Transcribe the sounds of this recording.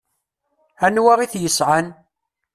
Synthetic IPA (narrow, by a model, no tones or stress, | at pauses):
ænwaʁiθjəsʕan